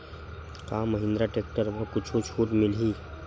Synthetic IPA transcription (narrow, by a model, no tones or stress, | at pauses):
kaːmːəɦɪ̃nd̪ɾaʈeːk̚ʈəɾməkʊt͡ʃʰot͡ʃʰuːʈmɪliː